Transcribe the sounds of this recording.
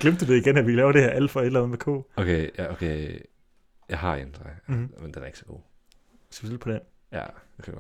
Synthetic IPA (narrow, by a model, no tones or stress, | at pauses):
ɡ̥lemd̥̚ud̥eiɡ̥enæʋilɛːʊɐdɾe̝hæɐ̰ʔæl̰d̥fɒ̽e̝ɾ̥lænð̩ˠmekʰo̰ːokʰejaokʰe | jɑ̈ɪɦɑ̈end̥ʁamend̥enæɐe̝ɡ̥sɒɡ̥o̝̰ː | isɡ̥ʋḛ̥pʰɒd̥enjæ̰d̥ekʰɡ̥ɒ